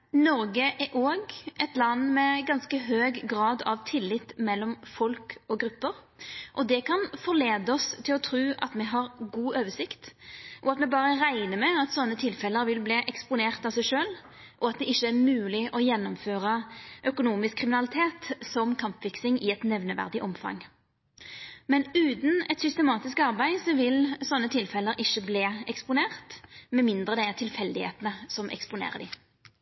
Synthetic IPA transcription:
nɔɾɡəʔæʔoːɡʔɛt̪lɑnːmɛɡɑnskəɦøːɡɡʁɑːd̪ɑ̰ʋt̪ʰɪlːɪt̪ːmɛlːɔmfɔlkɔɡɾʉpːəɾ | ʔɔd̪ɛkʰɑnfɔʁleːd̪əɔst̪ʰɪlɔt̪ʰɾʉːʔɑ̰t̪mɛɦɑɾɡuːøːʋəsɪkt̪ʔɔɑt̪mɛbɑːɾəʁæɪnəmɛɑt̪sɔnːət̪ʰɪlfɛləɾʋɪlbliːʔɛkspʊneːʁt̪ɑʋsæɪʂøːl | ʔɔɑt̪̚d̪ɛʔɪçːəæʁmʉːlɪʔɔjɛnːɔmføːʁəʔœkʊnuːmɪskʰːʁɪmɪnɑlɪt̪ʰeːt̪sɔmkʰɑmpfɪksɪŋɪɛt̪nɛʋnəʋæ̰ʁd̪ɪʔɔmfɑ̰ŋː | mɛnʉːt̪n̩ɛt̪sʏst̪əmɑːt̪ɪskɑʁbæɪsɔʋɪlsɔnːət̪ʰɪlfɛlːəɾɪçːəbleːɛkspʊneːʁt̪mɛmɪnd̪ʁəd̪ɛt̪ʰɪlfɛld̪ɪhḛːt̪ənəsɔmʔɛ̰kspʊnḛːʁəd̪ɪ̰

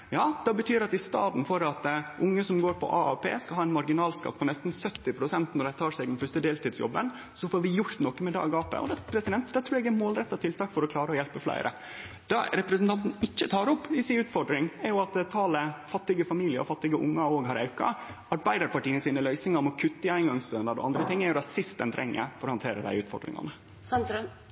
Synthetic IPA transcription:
jɑːd̪ɛbət̪ʰyːɾɑt̪ɪst̪ɑːd̪n̩fɔɾɑt̪ʔʊŋːəsɔmɡoːɾpʰɔ̰ʔɑːɑpʰḛːskɑhɑːɛnmɑɾɡɪnɑːlskɑ̰t̪̚ːpʰɔnɛst̪n̩sœt̪ːɪpʰɾʊsɛnt̪nɔɖæɪt̪ʰɑːʂɛɡd̪ɛnfœʂt̪əd̪eːlt̪iːd̪sjɔ̰bːən | sɔfoːɾʋɪjʊɾt̪nɔkːəmɛd̪ɑ̰ːɡɑːpə̰ʔɔ̰d̪ɛpʰɾɛsɪd̪ɛnt̪d̪ɛt̪ʰɾʉːɾɛɡæɾmoːlɾɛt̪ːɑt̪ʰɪlt̪ʰɑːkfɔɾɔkʰlɑːɾəɔjɛlpəflæ̰ɪɾʔə̰ | d̪̥ɑ̰ɾɛpɾəs̬nt̪ɑnt̪n̩ɪt͡ʃːət̪ʰɑːɾɔpːɪsɪʉːt̪fɔɖɾɪŋæɾjʊɑt̪t̪ʰɑːləfɑt̪ːɪɡəfɑmiːlɪə̰ɔfɑt̪ːɪɡəʔʊŋːɑoːɡɦɑɾɑʉkɑ̰ | ɑɾbæɪd̪əɾpɑʈiːənəsiːnəlœʏsɪŋɑmɔkʰʉt̪ːəɪæɪnɡɑŋst̪œnd̪ɑɾɔ̰ɑ̰nd̪ɾət̪ʰɪŋːæɾjʊd̪æsɪst̪̚d̪ɛnt̪ʰɾʔɛ̰ŋːə̰fɔɾɔhɑnt̪ʰeːɾəd̪æ̰ɪʉːt̪fɔ̰ɖɾɪ̰ŋɑ̰nə

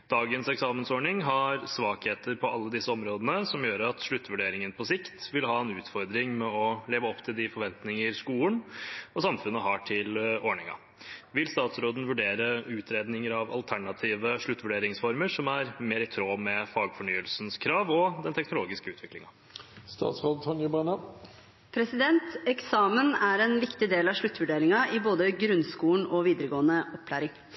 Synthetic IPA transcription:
d̪̥ɑːɡənsɛksɑːmənsɔːɳɪŋɦɑɾsʋɑːkheːt̪əɾpʰɔʔɑlːəd̪ɪsːəɔmɾoːd̪ənəsɔmjøːɾəɑt̪ʂɭʉt̪ːʋʉɖeːɾɪŋənpʰɔsɪkt̪ʋɪlɦɑːɛnʉːt̪fɔɾd̪ɾɪŋmɛɔleːʋəɔpːt̪ʰɪld̪ɪfɔɾʋɛnt̪nɪŋəɾskuːənɔsɑmfʉnːəɦɑːʈʰɪlɔɳɪŋɑ̰ | ʋɪlst̪ɑːt̪sɾoːd̪n̩ʋʉɖeːɾəʉːt̪ʰɾeːd̪nɪŋəɾɑʋɑ̰lt̪ʰæɳɑt̪ʰiːʋəʂɭʉt̪ːʋʉɖeːɾɪŋsfɔɾməʂɔmæɾmeːɾɪt̪ʰɾoːmɛfɑːɡfɔɳyːəlsnskʰɾɑːʋɔd̪ɛnt̪ʰɛknʊloːɡɪskəʉːt̪ʋɪklɪŋɑ | st̪ɑ̰ːt̪sɾoːd̪t̪ʰɔnjʊbɛnɑ | pʰɾɛsɪd̪ɛnt̪ɛksɑːmənæɾɛnʋɪkt̪ɪd̪eːlɑʋʂɭʉt̪ːʋʉɖeːɾɪŋɑʔɪboːd̪əɡɾʉnskuːɳɔʋiːd̪əɾəɡoːənəɔpːʰlæːɾɪŋ

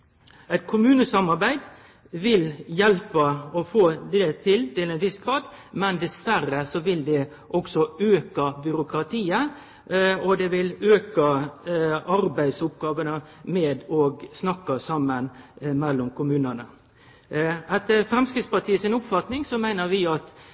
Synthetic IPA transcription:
æɪt̪kʰʊmʉːnəsɑmɑɾbæɪd̪ | ʋɪljɛlpəɔfoːd̪ɛt̪ʰɪlt̪ɪlɛɪnʋɪsɡ̥ɾɑːd̪mɛnd̪ɛsʋærːəsɔʋɪld̪ɛ | ʔɔksɔøːkəbʏɾʊkʰɾɑt̪ʰiːə | ɔd̪ɛʋɪløːkə | ɑɾbæɪd̪sʊpɡɑːʋənəmɛːd̪ɔɡsnɑkːəsɑmːənmɛlːɔmkʰʊmʉːnənə | ɛt̪ːəfɾɛmskɾɪt̪spɑʈ̪ʰiːəsɪnʊpfɑt̪nɪŋsɔmæɪnəɾʋɪɑt̪

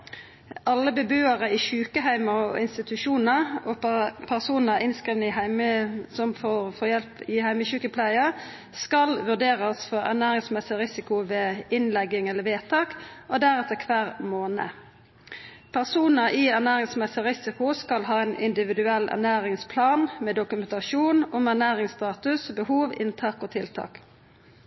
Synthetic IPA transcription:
ʔɑlːəbəbøːəʁəiːçʉːkəɦæɪməɔ̰ɪnst̪ɪt̪ʉʃuːnəʁɔpʰæʁsuːnəʁɪnskiːʋənəɪɦɪməsɔmfɔʁfɔjɛlpɪhæɪməçʉːkəpʰlæɪə | skɑlʋʉʁd̪eːʁəsfɔʁæ̰ʁnæːʁɪŋsmɛsɪʁɪsɪkʊʋeːɪnlɛɡɪŋɛləʋeːt̪ʰɑːkʔod̪æɾɛt̪əkʰʋæːʁmoːnə̰ | pʰæʁsuːnəʔɪæʁnæːʁɪŋsmɛsɪɾɪsɪkʊskɑlɦɑːɛnɪ̰nd̪ɪʋɪd̪ʉɛlːæ̰ʁnæːɾɪŋspʰlɑːnmɛːd̪ʊkʉmɛnt̪ɑʃuːnʊmæʁnæːʁɪŋst̪ɑːt̪ʉsbəhuːʋɪ̰nt̪ʰɑːkoːt̪ʰɪlt̪ʰɑ̰ːk

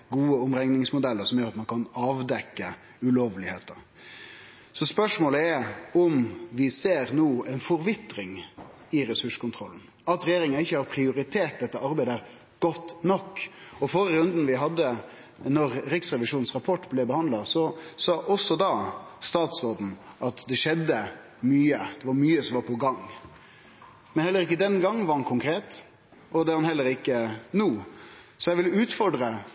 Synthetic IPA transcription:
ɡuːəʊmɾɛŋnɪŋsmʊd̪ɛlːəɾsɔmjøːɾɑt̪mɑnkʰɑnɑːʋd̪ɛkːə | ʉloːʋlɪheːt̪əɾ | sɔspœʂmoːləɛʊmʋɪseːɾnuːɛɪnfɔɾʋɪt̪ːɾɪŋɪɾɛsʉʂkʊnt̪ʰɾɔlːn̩ | ɑt̪ɾɛjeːɾɪŋənɪçːəhɑɾpʰɾɪʊɾɪt̪ʰeːʈ̚d̪ɛt̪ːəʔɑɾbæɪd̪əæɾ | ɡ̥ɔt̪ːnɔkːɔfɔɾəɾʉnd̪n̩ʋɪɦɑd̪ːə | nɔɾɾɪksɾɛʋɪʂuːnn̩sɾɑpʰɔʈːblɛbəhɑnd̪lɑsɔsɑːʔɔsːɔd̪ɑst̪ɑːt̪sʋɔːd̪n̩ʔɑt̪d̪ɛʂɛd̪ːə | myːəd̪̥ɛʋɑɾmyːəsɔmʋɑɾpʰɔɡɑŋ | mɛnhɛlːəɾɪkːəd̪ɛnɡɑŋːʋɑɾɑnkʰʊŋkʰɾeːt̪ | ɔd̪ɛɑnhɛlːəɾɪkːənuː | sɔjæɪʋɪlʉːt̪fɔɖɾə

